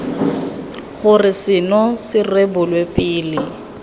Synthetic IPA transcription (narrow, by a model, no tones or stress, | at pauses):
χʊrɪsɪnɔsɪrebʊlwepʼɪːlɪ